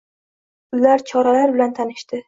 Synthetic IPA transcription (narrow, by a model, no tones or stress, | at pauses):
ʊlaɾt͡ʃʰɒɾalaɾbɪlant̪ʰanɪʃt̪ɪ